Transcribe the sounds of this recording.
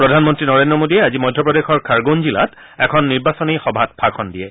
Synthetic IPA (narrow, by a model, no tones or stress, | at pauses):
pɹɔdʱanmɔntɹinɔɹendɹɔmodiɛazimɔjdʱːɔpɹɔdexɔɹkʰaɹɡonzila̰t | ɛkʰɔnːiɹbasɔnixɔbʱat̚pʰakʰɔndiɛ